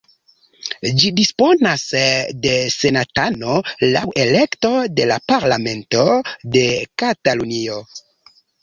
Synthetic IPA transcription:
d͡ʒidispo̞nasde̞se̞natano̞la̰wʔe̞le̞kto̞de̞lapaɾlame̞nto̞de̞katalunio̞

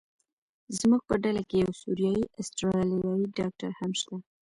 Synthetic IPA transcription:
zmuɡ̚pəɖalakejawsuɾijɑjiʔast̪ɾɑljɑjiɖɑk̚ʈa̰ɾhamʃt̪a

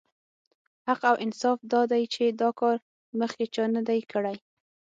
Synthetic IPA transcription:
haqawʔɪnsɑfd̪ɑd̪ajt͡ʃed̪ɑkɑɾ | məxket͡ʃənad̪ajkəɽaj

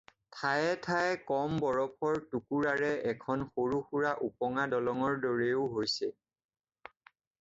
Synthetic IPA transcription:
tʰajɛtʰajkɔmbɔɹɔpʰɔɹtukuɹaɹɛʔɛkʰɔnxoɹuxuɹaʔupɔŋadɔlɔŋɔɹdɔɹeʊɦojsɛ

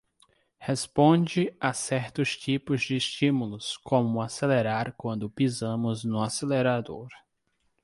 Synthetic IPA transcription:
hespõd͡ʒɪasɛɾt̪ʊst͡ʃipʊzd͡ʒɪːst͡ʃĩmulʊskõmʊaseleɾaɾkwɐ̃nd̪ʊpizɐ̃mʊznʊaseleɾad̪oɾ

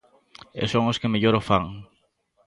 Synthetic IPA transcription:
ḛsõŋoskemeʎoɾofaŋ

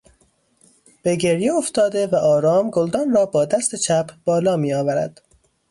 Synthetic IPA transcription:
b̥eɟe̞ɾjeoft̪ɒːd̪e̞væʔɒːɾɒːmɡold̪ɒːnrɒːbɒːd̪æst̪e̞t͡ʃʰæpʰb̥ɒːlɒːmiːɒːvæɾæ̰d̪̥

